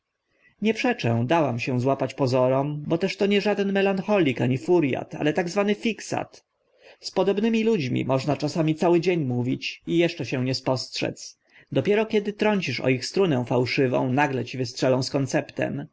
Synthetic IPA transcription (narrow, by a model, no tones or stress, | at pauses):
ɲɛpʂɛt͡ʂɛ̃w̃d̪awamɕɛ̃zwapat͡ɕpɔzɔɾɔmbɔt̪ɛʂt̪ɔɲɛʐad̪ɛnmɛlanxɔlʲikaɲifuɾja̰t̪a̰lɛt̪aɡzvanɘfʲiksa̰t̪ | spɔd̪ɔbnɘmʲilud͡ʑmʲḭmɔʐnat͡ʂasamʲit̪sawɘd͡ʑeɲmuvʲit͡ɕijɛʂt͡ʂɛɕɛw̃ɲɛspɔstʂɛ̰t̪s | d̪ɔpʲjɛɾɔkʲɛd̪ɘt̪ɾɔɲʲt͡ɕiʂɔ̰ixst̪ɾunɛ̃w̃fawʂɘvɔ̰̃w̃naɡlɛt͡ɕivɘstʂɛlɔ̃w̃skɔnt̪sɛpt̪ɛ̰m